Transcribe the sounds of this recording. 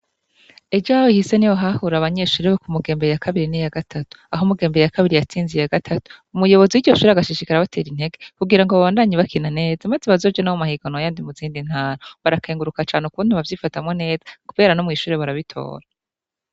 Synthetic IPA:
ed͡ʒaːwoihise̞nijoɦahuɾaβaɲe̞ʃuːɾeβokumuɡe̞ːmbejakaβiɾinijaɡatʰatu̥aɦomuɡe̞ːmbeejakaβiɾijat͡siːnzijaɡatʰatu̥umujo̞βo̞ziwiɾɟo̞ʃuːɾeaɡaʃiʃikaɾaβatʰe̞ːɾin̥he̞ɡekuɡiɾaŋɡoβaβaːndaɲiβakʰinane̞ːzamazeβazo̞ːvɟanawomahiɡanoajaːndimuziːndin̥haːɾoβaɾakʰeːŋɡuɾukat͡ʃaːnekuuːn̥uβavjiːfatamŋo̞ne̞ːzḁkuβe̞ːɾanomŋiːʃuːɾeβaɾaβitʰo̰ːɾa

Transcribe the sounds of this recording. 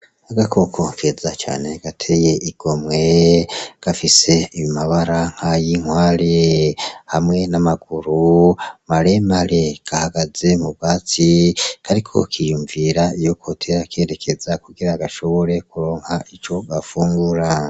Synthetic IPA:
aɡakʰo̞kʰo̞kʰe̞ːzat͡ʃa̰ːne̞ɡ̥atʰe̞je̞ʔiɡ̥o̞mŋe̞ɡ̥afise̞imaβaɾaŋ̥hajiŋwaːɾehamŋe̞namaɡ̥uɾumaɾe̞maɾeɡ̥ahaɡaze̞mubɡaːt͡sikaɾikʰo̰kʰijuːɱviɾaijokʰotʰeɾakʰe̞ːɾe̞kʰe̞zakuɡiɾaɡaʃo̞βo̞ɾe̞kuɾo̞ːŋhaʔit͡ʃo̞ɡafuːŋɡuɾa

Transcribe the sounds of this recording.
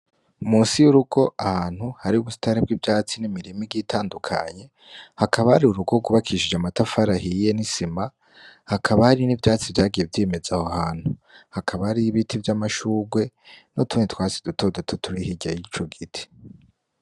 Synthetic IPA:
umuːsijuɾuɡo̞ʔahaːn̥huhaɾiuβusi̥taɾib̚ɡivjaːt͡sinimiɾimiɡitʰaːndukʰa̰ɲe̞ | hakʰaβahaɾiuɾuɡo̞ɡuβakʰiiʃid͡ʒamatafaɾahije̞nisima | hakʰaβahaɾinivjaːt͡sivjaːɡije̞vjeme̞zahohaːn̥huhakʰaβahaɾiβitʰivjamaʃuːɡwe̞ | notunitwaːsid̥uto̞dotʰutʰuɾihiɟajiit͡ʃoɡitʰi̥

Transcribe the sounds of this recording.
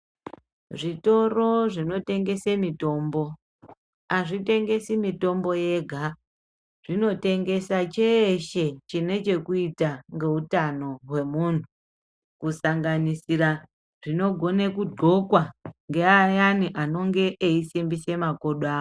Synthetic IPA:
ʐito̞ro̞ʐino̞te̞ŋɡe̞semito̞ːmbo̞ | aʐite̞ŋɡe̞simito̞mbo̞je̞ɡʱa | ʐ̥ino̞te̞ŋɡe̞sat͡ʃeʃe̞t͡ʃine̞t͡ʃe̞kuitaŋɡe̞ɦutano̞ɦwe̞muːn̤u | kusaŋɡanisira | ʐ̥ino̞ɡʱo̞nekudʱokwaŋɡeajaniʔano̞ŋɡe̞ʔːisimbise̞mako̞ɗwaːo

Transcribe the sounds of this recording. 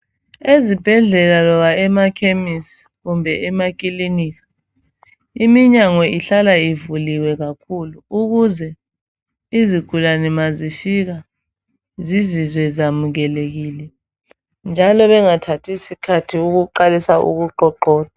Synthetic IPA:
ezib̥ʱɛɮɛlalɔβaɛmakʰemis | ɣumbʱɛʔɛmak̬ʼiliniːkḁ | imiɲaŋwɛʔiɬalaivuliwɛɣakʰuluuɣuzɛ | iziɡ̥ʱulanɛmazifik̬a | zizizwɛzamuɣɛleɣiːlɛ | nd͡ʒʱalɔβɛŋatʰatʰisikʰatʰiuɣuǃalisaʔṵɣuǃɔǃɔːta

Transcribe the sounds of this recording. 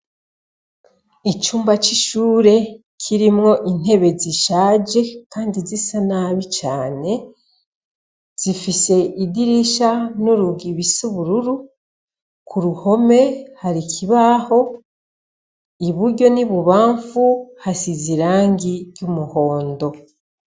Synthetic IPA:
it͡ʃuːmbat͡ʃiʃuːɾe̞ | kʰiɾimŋo̞ʔin̥he̞βe̞ziʃaːd͡ʒe̞kaːndizisanaβit͡ʃaːne̞ | z̥ifise̞idiɾiʃanuɾuɡiβisuβuɾuɾu | kʰuɾuho̞me̞haɾikʰiβaho̞ | iβuɾɟo̞niβuβaːɱfuhasiziɾaːŋɡiɾɟumuho̞ːndo̞

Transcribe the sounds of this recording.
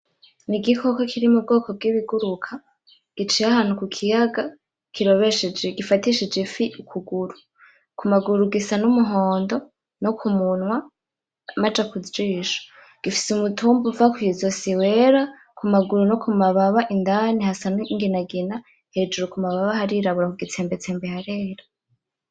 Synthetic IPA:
niɡikʰo̞kokʰiɾimub̚ɡo̞ːko̞b̚ɡiːβiɡuɾukʰa | ɡ̥it͡ʃijahaːn̥ukukʰijaɡa | kʰiɾo̞βeʃed͡ʒeɡifatiʃid͡ʒefiʔukʰuɡuɾu | kumaɡuɾuɡisanumuɦoːndo̞ | nokʰumunwa | mad͡ʒakuzd͡ʒiːʃo̥ | ɡ̥ifi̥sumutʰuːmbuvakwiizosiwe̞ɾa | kumaɡuɾunokumaβaβaʔindanihasaniŋɡinaɡina | he̞d͡ʒuɾukumaβaβahaɾiɾaβuɾakuɡit͡seːmbe̞t͡seːmbehaɾeːɾḁ

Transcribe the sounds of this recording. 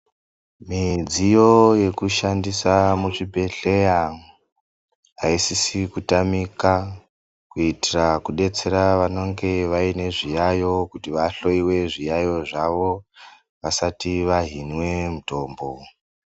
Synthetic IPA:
mid͡zijo̞je̞kuʃandisamut͡ʂibʱe̞ɬe̞ja | ɦaisisikutamika | kuitirakuɗe̞t͡se̞ɾaʋano̞ŋɡe̞ʋaine̞ʐijajo̞kutiʋaɬo̞iwe̞ʐijajo̞ʐaʋo̞ | ʋasatiʋaɦinwe̞muto̞ːmbo̞

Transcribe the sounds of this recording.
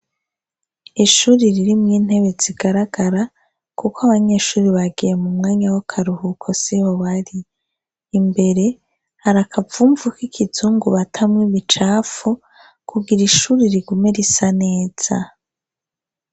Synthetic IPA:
iʃuːɾiɾiɾimŋiːn̥he̞βe̞z̥iɡaɾaɡ̥aɾa | kukoaβaɲe̞ːʃuːɾiβaɡije̞mumŋaːɲawakʰaɾuhukʰo̞sihoβaɾiː | mbe̞ɾe̞ | haɾakʰavuːɱvukikʰizuːŋɡuβatʰamŋiβit͡ʃaːfu | kʰuɡiɾiʃuːɾiɾiɡumeɾisane̞ːz̥a

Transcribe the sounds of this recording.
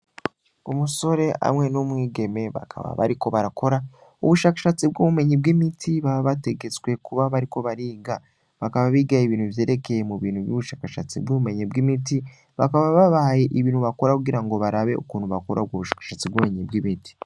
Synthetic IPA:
umuso̞ɾe̞a̰mŋe̞numŋiːɡe̞me̞βa̰kʰa̰βa̰βa̰ɾiko̞βaɾako̞ɾa | uβuʃaːkḁʃat͡sibɡuβume̞ɲib̚ɡimitʰiβaβaβate̞ɡe̞t͡swe̞kuβaβaɾiko̞βaɾiːɡa | βakaβaβiːɡaiβiːn̥huvje̞ːɾe̞ke̞jemuβiːnhuβjuβuʃaːkaʃa̰t͡sḭbɡuβume̞ɲibɡimiti | βakaβaβaβaje̞ʔiβiːn̥huβako̞ɾakuɡiɾaŋɡo̞βaɾaβe̞̰ṵkuːn̤uβakoɾab̚ɡoβuʃaːkḁʃat͡sibɡume̞ɲibɡimiti̥

